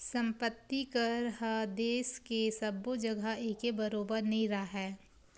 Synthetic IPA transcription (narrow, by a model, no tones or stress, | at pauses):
sɐ̃mpət̪ːikɐɾɦad̪eːskesɐbod͡ʒɐɡaeːkebɐɾoːbəɾnĩɾɐaɦɛː